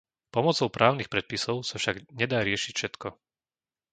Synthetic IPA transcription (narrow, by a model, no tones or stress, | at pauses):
pɔmɔt͡sɔʊpɾʔaːʊnixpɾɛt̪̚pisɔʊsafʃaɡɲɛd̪aːɾɪɛʃicfʃɛt̪kɔ